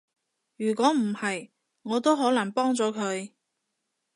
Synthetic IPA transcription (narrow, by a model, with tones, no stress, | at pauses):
jyː˨˩kʷɔː˨˥m̩˨˩hɐ˨j | ŋɔː˨˧t̪o˥wɦɔː˨˥lɐ˨˩ŋpɔː˥ŋt͡sɔː˨˥kʰɵ˨˧ɥ